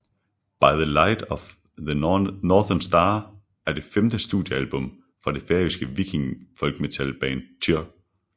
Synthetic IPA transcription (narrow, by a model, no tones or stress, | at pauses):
b̥ɑ̈ɪðəlaɪd̥ɒf | ðənɒːðɐnsd̥ɑː | æɐd̥e̝femd̥əsd̥uðˠjəælb̥ɔ̽m | fɒ̈d̥e̝feɐisɡ̥əʋikʰiŋfɒ̽lɡ̥me̝t͡sʰælb̥ɛːnt͡sʰyɐ